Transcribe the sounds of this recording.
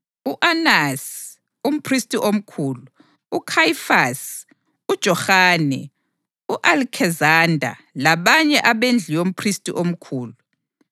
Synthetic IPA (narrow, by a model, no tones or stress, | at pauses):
uʔanas | um̩pʰristʼiʔom̩kʰuːluː | kʰajifas | ud̥ʒ̥ʱɔxaːnɛ̰ | uʔalkʰɛzandʱa̰laβaɲɛʔaβend͡ɮʱijom̩pʰristʼḭʔom̩kʰuːlu